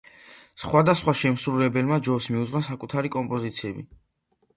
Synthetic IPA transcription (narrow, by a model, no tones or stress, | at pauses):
sχwad̪asχwaʃɛmsɾulɛbɛlmad͡ʒɔsmiud̪zʁwɾasakʼut̪ʰaɾikʼɔmpʼɔzit̪sʰiɛbi